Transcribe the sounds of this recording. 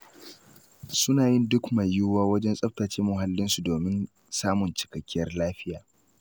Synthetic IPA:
sʊ˦naː˨jɪ˦ndʊ˦kmɐ˨jːʊ˦waː˦wɐ˦d͡ʒɛ˦nsʼɐ˦ɸtaː˨t͡ʃeː˦mʊ˨ɦa˦lːɪ˦nsu˨doː˨mɪ˦n | saː˦mʊ˨nt͡ʃɪ̥˨kɐ˨kʲːɪ˦jɐ˦rlaː˦ɸɪ˦jaː˨

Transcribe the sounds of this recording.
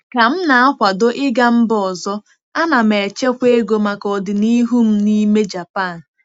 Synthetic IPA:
ka˨m̩˦na˨a˦kʷa˨do˦ʔɪ˦ɡa˦m̩˦bɔ˨zɔ˦ | a˦na˨me˨t͡ʃe˦kʷe˦ɡo˦ma˨kɔ˨dɪ˨ni˦ɦu˦m̩˦ni˦me˦d͡ʒa˨pa˦˨n̩˨

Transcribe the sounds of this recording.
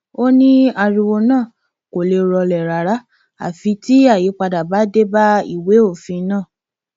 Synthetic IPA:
o˦nĩ˦a˧ɾi˧wo˧nãː˦˨ | ko˨le˧ɾɔ˧lɛ˨ɾa˨ɾa˧˦ | a̰˦˨fĩ˧ti˦a˦˨ji˨˦k͡pa˧da˨ba˨˦de˦ba˦ḭ˦˨we˨˦o˦˨fĩ˧˦nãː˦˨

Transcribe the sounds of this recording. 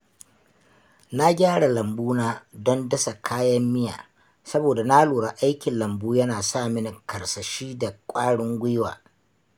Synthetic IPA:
na˦ɡʲaː˦ɽa˨lɐ˨mbuː˦naː˦dɔ˦ndɐ˦sa˨kʰaː˦jɐ˦mːɪ˦ja̰ː˨ | sɐ˦boː˨da˨na˦luː˨ɽa˨ʔa˦jkʲɪ˨nlɐ˨mbuː˦jɐ˦naː˨sa˦˨mɪ˦n˨kɐ˨rsɐ˨ʃiː˦da˨kʷʼaː˦ɽʊ˦ŋɡʷɪ˦wa̰ː˨

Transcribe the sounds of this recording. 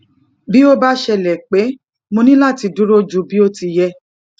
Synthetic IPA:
bi˦o˦ba˦ʃɛ˧˨lɛ˨k͡pe˨˦ | mõ˧nĩ˦la˦˨ti˧du˨˦ɾo˦d͡ʒu˧˦bi˦o˦ti˧jɛ˧

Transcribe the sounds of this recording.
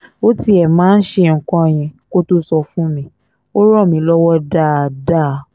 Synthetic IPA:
o˦ti˦ɛ˨mãː˨˦n̩˦ʃe˧ŋ̩˨kɔ̃˧˨j̃ɛ̃˨ko˦to˦sɔ˧fũ˦mĩ˦ | o˦ɾɔ˦˨mĩ˧˦lɔ˦wɔ˦da˦˨da˦˨

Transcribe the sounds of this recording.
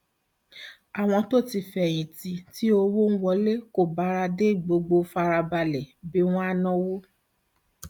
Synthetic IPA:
a˨w̃ɔ̃˧to˦˨ti˧˨fɛ˨j̃ĩ˨ti˨ti˦o˧wo˦n̩˦wɔ˧˦le˦ko˦˨ba˨˦ɾa˧de˦i˨ɡ͡bo˧ɡ͡bo˧fa˧ɾa˧ba˧lɛ˨bi˨˦w̃ɔ̃˦a˦nɔ̃˦wo˦

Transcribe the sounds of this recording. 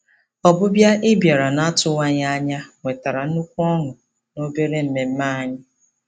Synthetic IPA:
ɔ˨bʊ˦bja˦ɪ˦bja˨ɾa˨na˦tʊ˦wa˦ɲa˦ɲa˦ŋʷe˨ta˨ɾa˨n̩˦u˦kʷu˦ɔ˦ŋʊ˨ | no˦be˦ɾe˦m̩˦me˨m̩˦ma˦a˦ɲɪ˦

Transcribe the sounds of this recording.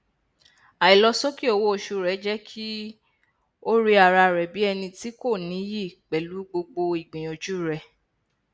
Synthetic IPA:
a˨i˨lɔ˧sɔ˦ki˦o˧˨wo˦o˨ʃu˧˨ɾɛ˨˦d͡ʒɛ˦kʰi˦ | o˦ɾi˦a˨ɾa˧ɾɛ˨bi˨˦ɛ˧nĩ˧ti˦ko˦˨nĩ˨˦ji˦˨k͡pɛ˨lu˨˦ɡ͡bo˧ɡ͡bo˧i˨ɡ͡bĩ˨õ˨d͡ʒu˦˨ɾɛ˨

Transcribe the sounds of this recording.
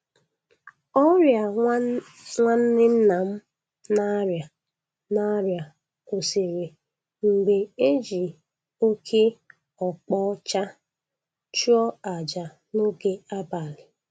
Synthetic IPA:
ɔ˦ɾja˨ | ŋʷa˦n̩˦nɪ˦n̩˦na˨m̩˦ | na˦ɾja˨ | na˦ɾja˨ | o˨se˨ɾe˨ | ŋ͡m̩˨ɡ͡be˨e˦d͡ʒi˨ | o˦kʰe˦ | ɔ˨k͡pɔ˦t͡ʃa˦ | t͡ʃu˦ɔ˦a˨d͡ʒa˨ | no˦ɡe˦a˦ba˨lɪ˨

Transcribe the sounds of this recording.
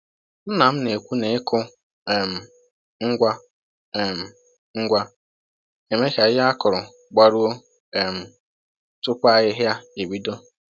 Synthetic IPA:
m̩˦na˨m̩˦ne˨kʷu˦ne˨ɪ˦kʊ˦ | e˨m̩˨ | ŋ̩˦ɡʷa˦ | e˨m̩˨ | ŋ̩˦ɡʷa˦ | e˨me˦ka˨˦ja˦kʊ˨ɾʊ˨ | ɡ͡ba˨ɾu˦o˦ | e˨m̩˨ | tʊ˦kʷa˦ɣɪ˦ɦja˦e˨wi˦do˦

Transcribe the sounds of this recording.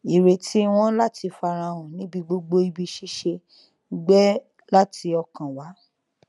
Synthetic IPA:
i˨ɾe˨ti˨˦w̃ɔ̃˦la˦tʰi˧fa˧ɾ̃ã˧w̃ɔ̃˨nĩ˨˦bi˧ɡ͡bo˧ɡ͡bo˧i˧bi˧ʃi˦ʃe˧˦ | ɡ͡bɛ˦ | la˦ti˧ɔ˧kã˨wa˨˦

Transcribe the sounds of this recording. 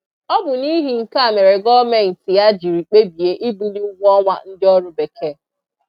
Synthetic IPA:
ɔ˦bʊ˨ni˦ɦi˨ŋ̩˨ka˦˨me˨ɾe˨ɡɔ˦me˦˨n̩˨tɪ˨ja˦d͡ʒi˨ɾi˨k͡pe˦bi˨e˦ʔi˦bu˦dɪ˦ʊ˦ɡʷɔ˦ŋʷa̰˦n̩˦dɪ˦ɔ˦ɾʊ˦be˨ke˦

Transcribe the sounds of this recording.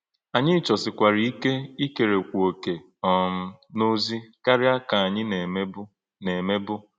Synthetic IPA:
a˨ɲɪ˦t͡ʃɔ˨sɪ˨kʷa˨ɾi˨˦i˦ke˦i˦ke˨ɾe˨kʷu˨o˨ke˨ | ɔ˨m̩˦no˦zi˦ka˦ɾɪ˦a˦ka˨a˨ɲɪ˦ne˨˦b | ne˨me˦bʊ˦

